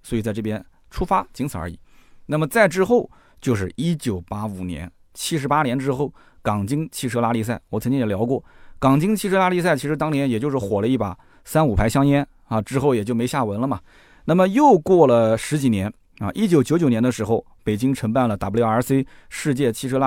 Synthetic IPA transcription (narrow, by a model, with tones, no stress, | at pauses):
swɔ˧˥i˨˩t͡sa˥˧ɪʈ͡ʂɤ˥˩pjɛ˥n | ʈ͡ʂʰu˥fa˥t͡ɕi˧˥ŋt͡s̩ʰ˨˩ə̰˞˧˥ḭ˨˩˦na˥˩mə˩t͡sa˥˧ɪʈ͡ʂɻ̩˥xo˥˧ʊ | t͡ɕjo˥˧ʂ̬ɻ̩˥˩i˥t͡ɕjo˨˩ʊpa˥u˨˩njɛ̰˧˥n | t͡ɕʰi˥ʂɻ̩˧˥pa˥njɛ˧˥nʈ͡ʂɻ̩˥xo˥˩ʊ | kɑ˨˩ŋt͡ɕi˥ŋt͡ɕʰi˥˩ʈ͡ʂʰɤ˥la˥li˥˧s̬a˥˩ɪwɔ˨˩t͡sʰnt͡ɕi˥ŋjɛ˨˩ljɑ˧˥kwɔ˥˩kɑ˨˩ŋt͡ɕi˥ŋt͡ɕʰi˥˧ʈ͡ʂʰɤ˥la˥li˥˧s̬a˥˩ɪt͡ɕʰi˧˥ʂɻ̩˧˥t̪ɑ˥ŋnjɛ˥njɛ˨˩t͡ɕjʂɻ̩˥˩xwɔ˨˩lə˦i˥˩pa̰˨˩ | sa˥nu˨˩pʰa˧˥ɪɕjɑ˥ŋjɛ˥n | ɐ˧ʈ͡ʂɻ̩˥xo˥˩ʊjɛ˨˩t͡ɕjo˥˩ʊme˧˥ɪɕja˥˩wə˧˥nlə˧mɐ˩ | na˥˩mə˩jo˥˧ʊkwɔ˥˩lə˩ʂɻ̩˧˥t͡ɕi˨˩njɛ˧˥n | ɐ̰˧ʔi˥t͡ɕjo˧˩ʊt͡ɕjo˧˥ʊjo˨˩njɛ˧˥nd̪ə˧ʂɻ̩˧˥xo˥˧˩ʊpe˨˩ɪt͡ɕi˥ŋʈ͡ʂʰɤ˧˥ŋpa˥˩nlə˩t̪a˨˩pu˧˥jɑ˥˧ə˞˧˥se˥ɪʂɻ̩˥˧t͡ɕjɛ˥˩t͡ɕʰi˥˧ʈ͡ʂʰɤ˥la˥